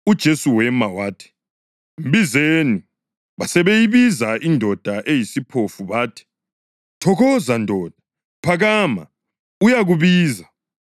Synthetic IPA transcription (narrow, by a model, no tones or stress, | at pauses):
ud̥ʒ̥ʱesuwɛmawaːtʰi̥ | m̩bizeni | βasɛβejiβizaʔindʱɔd̥ʱaʔejisipʰofuβaːtʰi̥ | tʰɔɣɔzandʱɔːd̥ʱḁ | pʰaɣaːma̰ | ujaɣuβiːza